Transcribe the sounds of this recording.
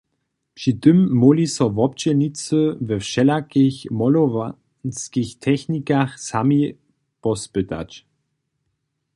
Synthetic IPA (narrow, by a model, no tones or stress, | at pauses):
pʃid̪ʏmːɔlisɔvɔpt͡ʃənit͡səvɛfʃɛlakçmɔlɔv | nskiçt̪ʰɛçnikaχsami | pɔspøt̪a̰t͡ʃ